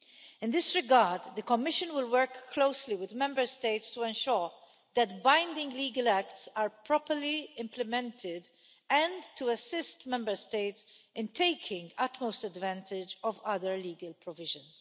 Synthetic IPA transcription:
ɪ̃nd̪ɪsɹɪɡaɹd̪ːəkɔmɪʃə̃nwɪlwɜɹkʰːloʊsliwɪd̪mɛ̃mbəɹsteɪtstuɛ̃nʃʊɹ | ðɛtbãɪ̃ndɪ̃ŋɡliːɡəlæktsaɹpʰɹɔpəɹliɪ̃mplɛmɛ̃ntʰɪd̪ | ɛ̃ntuɐsɪstmɛ̃mbə˞steɪtsʔɪ̃ntʰeɪkʰɪ̃ŋɡʌtmoʊstədvæ̃ntɪd͡ʒɔvʌðəɹliːɡəlpʰɹɔvɪʒə̃ns

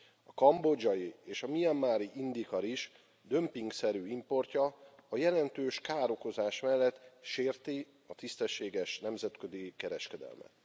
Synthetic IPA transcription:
ɒkɒmbod͡ʒɒjieːʃɒmiɛmːaːɾiʔind̪ikɒɾiʃ | d̪ø̞mpiŋɡsɛɾyːimpo̞rcɒːjɛlɛnt̪øːʃkaːɾo̞ko̞zaːʃmɛlːɛt̪ːʃeːrt̪i | ɒt̪ist̪ɛʃːeːɡɛʃnɛmzɛt̪kø̞d̪ikɛɾɛʃkɛd̪ɛ̰lmɛ̰t̪

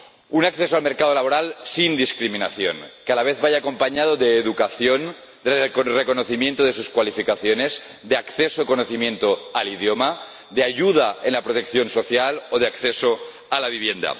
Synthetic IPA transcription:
unakθesoalmeɾkað̞olaβo̞ɾalsind̪iskɾimĩnaθjo̰nkealaβeθβajaːko̞mpaɲað̞oðeːðukaθjo̞n | d̪reko̞noθimje̞nt̪oðe̞suskwalifikaθjone̞zd̪eakθesoikonoθimjẽ̞nt̪oaliðjoma | d̪eaʝuð̞aenlapɾot̪ek̚θjo̞nso̞θjaloð̞eakθeso | alaβ̞iβje̞nd̪a̰

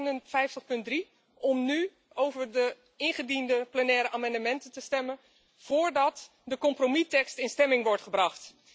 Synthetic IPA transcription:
nənfɛjftəχpɵnt̚dri | ɔmny | owvəɹdə | ɪnχədindəplənɛːɾəʔaːmɑndəmɛntəntəstɛmən | v̥ʊːɹdɑt | dəkɔmpromitɛkstɪnstɛmɪŋʋɔɹtχəbrɑχt

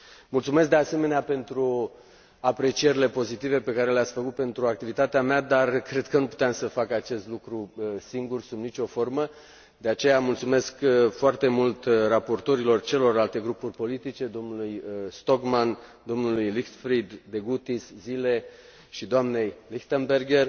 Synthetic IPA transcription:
mult̪sumesk̚d̪ease̞me̞neape̞nt̪ɾu | apɾe̞t͡ʃije̞ɾile̞po̞zit̪ive̞pe̞kaɾe̞leat̪sfəkut̪̚pe̞nt̪ɾuak̚t̪ivit̪at̪eamead̪arkɾe̞d̪̚kənupu̥t̪eamsəfakat͡ʃe̞st̪lukɾusiŋɡursumnit͡ʃʲo̞fo̞rmə | d̪e̞at͡ʃe̞jamult̪sume̞skfoart̪e̞mult̪rapo̞rt̪o̞ɾilo̞rt͡ʃelo̞ralt̪e̞ɡɾupurʲpo̞lit̪it͡ʃe̞d̪o̞mnulujst̪o̞kmand̪o̞mnulujlixt̪fɾid̪ːe̞ɡut̪iszile̞ | ʃid̪oamne̞jlixt̪enbe̞rɡe̞r

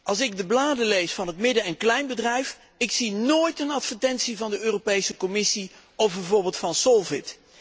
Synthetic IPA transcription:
ʔɑlˠsɪɡ̚dəblaːdəlejsfɑnɦətmɪdəɛnklɛjnbədrɛjf | ɪksinoːjtənɑtfəɹtɛntsivɑndəøːropejsəkɔmɪsi | ɔfbɛvʊːɹbɪːlˠtfɑnsɔlˠvɪt

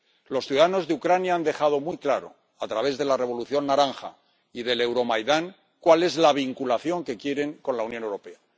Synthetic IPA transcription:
lo̞sθjuðaðano̞zðeukɾanjaand̪e̞xað̞o̞mwujklaɾo̞̰ | at̪ɾaβ̞e̞zðe̞lare̞β̞o̞luθjo̞nːaɾaŋxa̰ | iðe̞lewɾo̞majðaŋ | kwale̞zlaβ̞iŋkulaθjo̞ŋke̞kjeɾe̞ŋko̞nlaunjonewɾo̞pe̞a

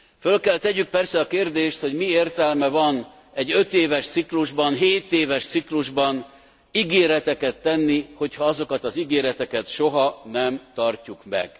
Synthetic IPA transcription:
følkɛlt̪ɛɟyk̚pɛrsɛɒkeːrd̪eːʃt̪ho̞ɟmieːrt̪ɛlmɛvɒn | ɛɟːø̞t̪eːvɛʃt̪sikluʒbɒnɦeːt̪eːvɛʃt̪sikluʒbɒn | iɡeːɾɛt̪ɛkɛt̪ːɛnːiho̞chɒɒzo̞kɒt̪ɒziɡeːɾɛt̪ɛkɛt̪ʃo̞ɦɒnɛmt̪ɒrcukmɛ̰ɡ̥

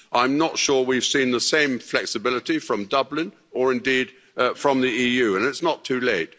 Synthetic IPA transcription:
ʔãɪ̃mnətʃʊɹwiv̥sĩnðəsẽɪ̃ɱflɛksɨbɪlˠəɾifɹʌ̃mdʌblɪ̃n | ə˞ɨ̃ndid̥ | fɹʌ̃mðiijʉɨ̃nɨtsnətʰʉleɪt̚

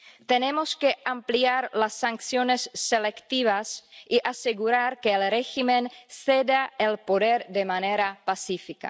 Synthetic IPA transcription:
t̪enemoske̞ampliaɾlasːaŋksjonesːelekt̪iβasiʔaseɣuɾaɾkeːlreximensed̪aelpoðeɾd̪emaneɾapasifika̰

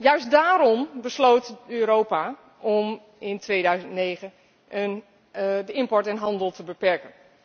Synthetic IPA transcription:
jœɥsdaːɾɔmbəslowtøːɾowpa | ʔɔm | ɪntʰʋeːdœɥzə̃ntneːɣən | ʔən | dəɪmpɔɹtɛnɦɑndəlˠtʰəbəpɛɹkən

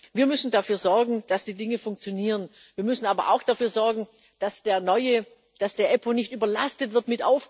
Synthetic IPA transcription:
viːɐmʏsn̩dafyːɐzɔɐɡŋ̩d̥asd̥iːdɪŋəfʊŋk̚t͡sjoniːʁən | viːɐmʏsn̩aːbɐ̰ʔa̰ʊxd̥afyːɐzɔɐɡŋ̩ | d̥asd̥eːɐnɔʏə | d̥asd̥eːɐʔɛponɪçtyːbɐlastətv̥ɪɐtmɪtʔa̰ʊf

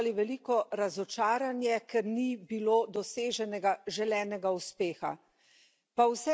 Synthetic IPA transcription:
liʋɛliːkɔɾazɔt͡ʃaːɾanjɛkɛɾnibiloːd̪ɔseːʒɛnɛɡaʒɛlɛːnɛɡauspeːxa̰ | pawsɛ

